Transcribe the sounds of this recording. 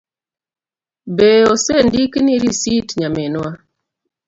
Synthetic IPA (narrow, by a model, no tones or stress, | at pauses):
beɔsendikniɾisitɲamɛnwa